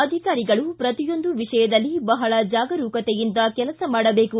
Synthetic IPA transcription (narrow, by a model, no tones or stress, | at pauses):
ɐd̪ʱikaːɾiɡɐɭupɾɐt̪ijo̞nd̪uʋiʂɐjɐd̪ɐlːibɐɦɐɭɐd͡ʒaːɡɐɾuːkɐt̪ejind̪ɐkɛlɐsɐmaːɽɐbe̞ːku